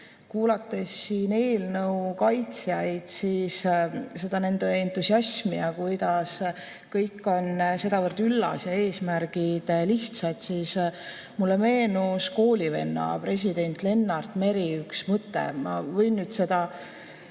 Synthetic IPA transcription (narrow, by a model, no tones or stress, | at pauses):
kuːlɑt̪ːˑe̞sːiːne̞ːlnɤuwkɑjt̪sijɑjd̪̥siːsse̞d̪ɑne̞nd̪̥eent̪ːusiɑsmiɑkujd̪ɑs | kɤjkːˑo̞nse̞d̪ɑvɤɾt̪ylːɑ̰sjɑe̞ːsmæɾɡ̥id̪̥liht̪sɑd̪̥sis | mulːe̞me̞ːnusko̞ːlʲive̞̰nːɑ̰pre̞s̬ʲid̪̥e̞nt̪ˑle̞nːɑrd̪̥me̞ɾiyksmɤt̪ːḛmɑvɤ̞jnːyːd̪se̞d̪ɑ